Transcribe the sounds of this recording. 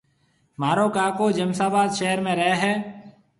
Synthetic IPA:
maːɾoːkaːkoːd͡ʒəmsaːbaːd̪ʃeːɾmẽːɾɛɦɦɛː

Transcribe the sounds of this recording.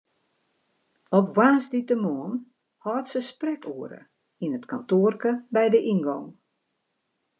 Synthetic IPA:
ɔpwaːnsditəmɔːn | hɔːtsəsprɛkʰuəɾə̰ | inətkantoərkəbɛjdəʔinɡɔŋ

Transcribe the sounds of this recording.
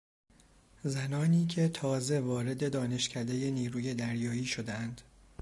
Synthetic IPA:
zænɒːniːcʰe̞t̪ʰɒːze̞vɒːɾe̞d̪e̞d̪ɒːne̞ʃcʰæd̪e̞je̞niːɾuːje̞d̪æɾjɒːiːʃo̞d̪eænd̪̥

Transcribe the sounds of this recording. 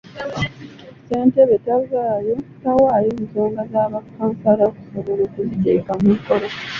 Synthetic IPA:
se̞ːnteβe̞tazaːjo̞tawaːjeːnso̞ːŋɡazaːβakːaːmsaɾaku̥soβo̞lokuzite̞̰ːkamuiko̞ɾo

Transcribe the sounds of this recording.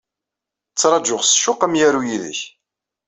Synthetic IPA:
t͡sːɾˤɑd͡ʒʊʁsʃʊqəmjæɾujiðə̰ç

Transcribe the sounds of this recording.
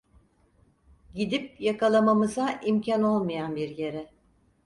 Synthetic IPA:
ɟid̪ipjakalˠamamɯzaʔimcʰano̞lˠmɯjanbiɾje̞ɾɛ

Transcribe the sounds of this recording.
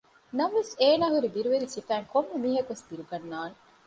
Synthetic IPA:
nɐʋʋeseːnaːɦuɾibiɾuʋeɾisifæːŋkomːɐmiːɦɐkuʋesbiɾuɡɐnːaːne

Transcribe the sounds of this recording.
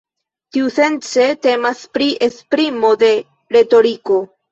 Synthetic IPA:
tiuse̞nt͡se̞te̞maspɾiʔespɾimo̞de̞ | ɾe̞to̞ɾiko̞

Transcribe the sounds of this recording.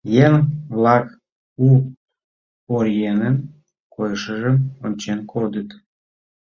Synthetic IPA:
jenβlɑk | u | oɾjenən | kojəʃəʒəmonʲt͡ɕenkʰod̪ət̪

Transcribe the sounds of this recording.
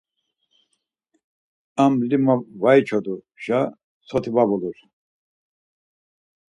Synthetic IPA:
amlimavajt͡ʃʰɔd̪u | ʃa | sʰɔt̪ʰivabɔluɾ

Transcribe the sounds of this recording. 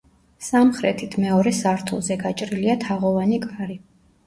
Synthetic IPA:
samχɾɛt̪ʰit̪ʰmɛɔɾɛsaɾt̪ʰṵlˠzɛɡat͡ʃʼɾiliat̪ʰaʁɔvanikʼaɾi

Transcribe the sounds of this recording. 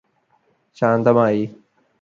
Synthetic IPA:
t͡ʃãːnd̪əmãːiː

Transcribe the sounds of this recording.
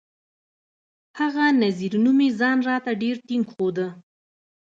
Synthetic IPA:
haɣanaziɾnumezɑnɾɑt̪aɖeɾt̪ɪŋɡxod̪ə

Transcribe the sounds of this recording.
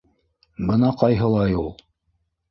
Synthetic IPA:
bɤnɑqɑjɦɤ̆lˠɑjulˠ

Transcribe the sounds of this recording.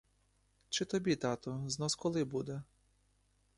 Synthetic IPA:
t͡ʃɪt̪ɔbʲit̪ɑt̪ɔznɔskɔlˠɪbud̪ɛ

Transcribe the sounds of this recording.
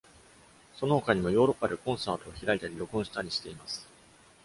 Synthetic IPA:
so̞noho̞kaɲ̟imo̞jo̞ːɾo̞pːad̪e̞kõ̞ɰ̃saːt̪o̞ːçiɾait̪aɾʲiɾo̞kõɰ̃ɕi̥t̪aɾʲiɕi̥t̪e̞imasɨ̥

